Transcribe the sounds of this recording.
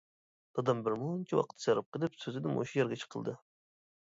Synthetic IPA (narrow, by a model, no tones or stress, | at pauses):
d̪̥ɑd̪ɑmbɪɾmunt͡ʃʰiwɑ̰qʰə̥t̪ʰːsɑɾɨp̚qəlˠɪpsøzɪd̪ɪmʔo̰ʃujɛɾɡʲɛt͡ʃʰə̥qʰəlˠd̪ɨ